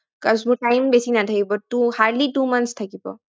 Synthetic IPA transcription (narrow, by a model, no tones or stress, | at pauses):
kɐsbuʈajmbesinat̪ʰəjbɔʈuhaɾɖliʈumɐnst̪ʰɐkipɔ̰